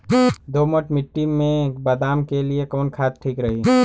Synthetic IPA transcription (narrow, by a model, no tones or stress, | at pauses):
d̪oməʈmɪʈːiːẽbəd̪aːmkeliekɔːnkʰaːt̪̚ʈʰiːkɾəɦi